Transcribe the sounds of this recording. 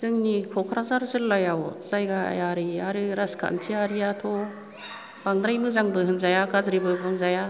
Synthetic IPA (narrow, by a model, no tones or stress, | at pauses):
z̥ɯŋnikʰɔkʰɾazaɾzɯlːajawzajɡaa̰jaɾiaɾiɾaskʰa̰ntʰiaɾijatʰɔ | b̥aŋd̪ɾajmɯzaŋbɯɦɯnzajakazɾibɯjbɯŋzaja